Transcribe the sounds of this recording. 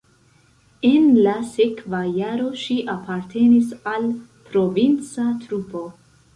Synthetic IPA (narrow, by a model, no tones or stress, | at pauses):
e̞nlase̞kvajaɾo̞ʃiʔapaɾtʰe̞nisalpɾo̞vint͡satɾupo̞